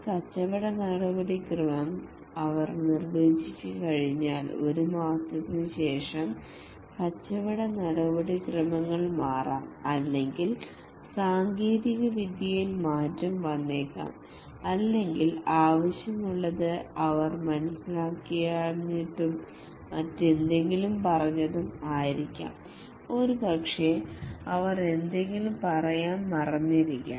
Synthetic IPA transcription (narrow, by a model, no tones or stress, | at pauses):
kɐt͡ɕːɐʋiɽɐnɐɽɐbɐɽikrɨmɐm | ɐʋɐrnirbeːt͡ɕit͡ɕːɨkɐɻiɲːaːlo̞̰ɾumaːt̪ːɐt̪nɨɕe̞ːʂɐm | kɐt͡ɕːɐʋiɽɐnɐɽɐbɐɽikrɨmɐŋːɐɭmaːra̰ːmɐlːe̞ŋɡil | saːŋɡeːɾiɣɐʋid̪jɐjilmaːtːɐmʋɐnːeːkːa̰ːm | ɐlːe̞ŋɡilaːʋɐɕjɐmuɭːɐðɨɐʋɐrmɐnusilaːkːiɣjaːnːiʈːum | ɐtːend̪e̞ŋɡilumpɐrɐɲːɐðumaːjiɾikʲːa̰ːm | o̞ɾubɐkʂeɐʋɐre̞nd̪e̞ŋɡilumpɐrɐjaːnmɐrɐɲːiɾikʲːa̰ː